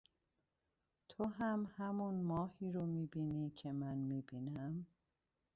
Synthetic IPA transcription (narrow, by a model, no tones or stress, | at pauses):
t̪ʰoɦæmhæmunmɒːhiːɾomiːbiːniːcʰe̞mænmiːbiːnæm